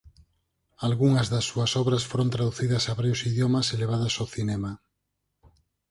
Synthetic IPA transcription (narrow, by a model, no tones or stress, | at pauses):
alɣuŋɐzðɐsːuɐsɔβɾɐsfoɾõnt̪ɾaðuθiðɐsaβaɾjusiðjomɐseleβ̞aðɐsawθinɛma